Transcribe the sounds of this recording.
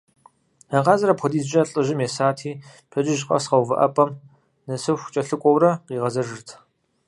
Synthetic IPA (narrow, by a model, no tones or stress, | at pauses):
ɐqɑːzɐɾɐpʰʷɔdiːzʒɐɬʼɨʒɪmjesaːtʰiː | pʰɐd͡ʒɪʒqʼɐ̰sqɐwvɐ̰ʔɐ̰pʼɐm | nɐsɨwxʷʊ̥t͡ʃʼɐɬɨkʷʼɔwrɐqiːʁɐzɐʒɨrtʰ